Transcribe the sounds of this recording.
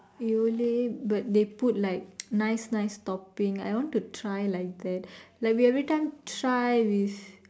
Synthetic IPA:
iolebat̚d̪eput̚lajk̚najsnajstɔpĩŋa̰jwɔ̃ntutʰɹajlajk̚d̪ɛt̚laɪkwiɛvɾitãj̃mtɾajwiθ

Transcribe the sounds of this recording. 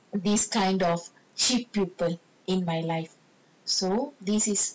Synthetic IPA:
d̪iskãjndɔf | t͡ʃipːjupəl | ʔɪ̃nmajlaɪf | sod̪isis

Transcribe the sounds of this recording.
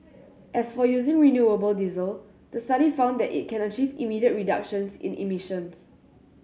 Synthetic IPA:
ʔɛsfɔjuzĩŋɹinjuəbəldizəl | d̥əstaɾifãʊ̃nd̪ɛtḭt̚kʰɛ̃nət͡ʃivḭmidiət̚ɹidakʃə̃nsɪ̰̃nʔḭmiʃə̃ns

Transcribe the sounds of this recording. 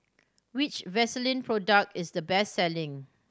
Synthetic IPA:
wɪt͡ʃvɛsəlĩnpʰɹɔdək̚tɪsdəbɛstːɛlɪ̃ŋ

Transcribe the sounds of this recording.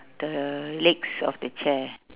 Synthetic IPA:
d̥əleksɔ̰fdət͡ʃʰɛ

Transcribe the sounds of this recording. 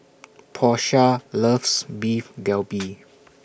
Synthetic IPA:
pʰɔʃaləfsbifɡɛlbi

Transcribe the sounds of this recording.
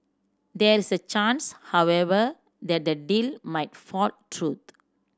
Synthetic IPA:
dɛɹisət͡ʃãnshawɛvə | d̪ɛt̚dədilmajtfɔltɹut̪̚

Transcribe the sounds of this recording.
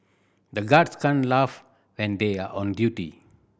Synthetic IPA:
d̪əɡaɖskãɳlaːf | ʋɛ̃nd̪eaːɾʔɔ̃nɖjuːʈḭ

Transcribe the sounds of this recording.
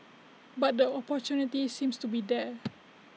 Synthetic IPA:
bat̪̚dəɔpɔt͡ʃunit̪isĩmst̪ubidɛ

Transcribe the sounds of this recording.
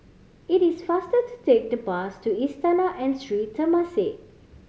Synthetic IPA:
itisfastətu̥tek̚dəpastuistanaʔɛ̃nsɹitʰːəmase

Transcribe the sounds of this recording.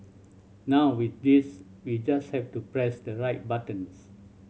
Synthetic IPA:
nawwit̚dis | wid͡ʒashɛftupɹɛsdəɹaɪt̚batə̃ns

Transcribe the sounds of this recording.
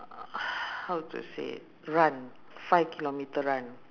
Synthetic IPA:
hawt̪ṵsḛ | ɹãn | fajvkʰilomit̪əɹãn

